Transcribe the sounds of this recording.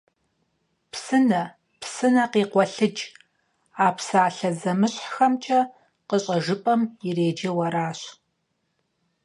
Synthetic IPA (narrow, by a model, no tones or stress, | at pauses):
pʰsɨnɐ | psɨnɐqiːqʷɔɬɨd͡ʒ | aːpʰsaːɬɐzɐmɨɕħxɐmt͡ʃʼɐ | qəɕʼɐʒɨpʼɐmireːd͡ʒɐwɐɾaːɕ